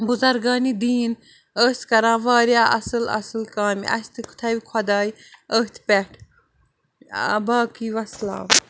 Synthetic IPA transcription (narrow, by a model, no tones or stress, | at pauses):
buzɐɾɡaːniːd̪iːn | əːst̪kɐɾãːʋaːɾjaːʔɐsɨlɐ̰sɨlkaːmiɐ̰st̪ɨkʰu̥t̪ʰɐʋikʰɐd̪aːj | əːt̪ʰpɛʈʰ | baːkiːʋɐsla̰ː